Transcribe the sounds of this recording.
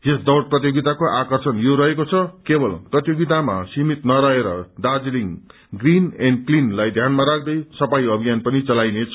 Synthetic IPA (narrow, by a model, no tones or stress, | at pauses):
esd̪ʌwrprʌt̪joɡit̪akoʔakʌrsʌnjoɾʌɦekot͡sʰʌkebʌlprʌt̪joɡit̪ama̰simit̪nʌɾʌɦeɾʌd̪ad͡zliŋ | ɡrinenklinlajd̪ʱjanmaɾak̚ʰd̪ʌjsʌpajʌbʱijanpʌnit͡sʌlajnet͡sʰʌ̥